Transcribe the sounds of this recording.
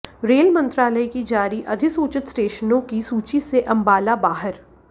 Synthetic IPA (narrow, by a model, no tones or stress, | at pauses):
ɾeːlmɐ̃nt̪ɾaːləikid͡ʒaːɾiʔɐd̪ʱɪsuːt͡ʃɪt̪sʈeːʃənõkisuːt͡ʃiseʔɐ̃mbaːlabaːɦəɾ